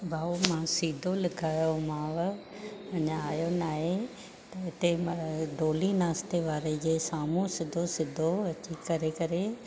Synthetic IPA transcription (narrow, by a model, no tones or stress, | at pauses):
bʱaːumãːsiːd̪ʱolɪɡʰʱaːjomãːʋ | ɐ̃ɲãaːjonaːɦe | t̪ɐɦɪt̪emɖoːlinaːst̪eʋaːɾed͡ʑeːsaːmũsɪd̪ʱosɪd̪ʱoɐt͡ɕikɐɾekɐɾe